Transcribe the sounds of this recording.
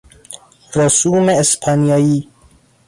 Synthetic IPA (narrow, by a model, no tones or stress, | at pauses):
ɾosumeespʰaniaji